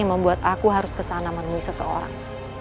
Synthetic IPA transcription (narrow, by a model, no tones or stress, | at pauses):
aŋməmbuat̪akuɦaɾʊskəsanamərmuisəsəo̰ɾa̰ŋ